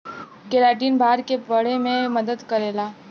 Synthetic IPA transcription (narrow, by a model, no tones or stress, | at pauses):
keɾaːʈiːnbʱaːɾkebɐɽ̤emẽmɐd̪əd̪kɐɾeːlaː